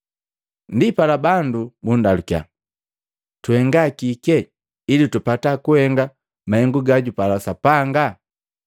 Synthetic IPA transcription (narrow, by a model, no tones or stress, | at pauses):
ndipalabandubundalukja̰ | tuhɛŋɡakikɛ | ilitupatakuhɛŋɡa | mahɛŋɡuɡaɟupalasapaŋɡa